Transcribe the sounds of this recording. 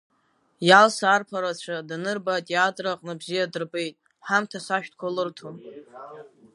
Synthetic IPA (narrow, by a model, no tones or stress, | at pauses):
jalsaarpʰaɾat͡ɕʷʰadanɨrbatʼjadraqʼnɨbzijadɨrbe̞jtʼ | ħamtʰasaʃᶣtʰkʷʰalɨrtʰom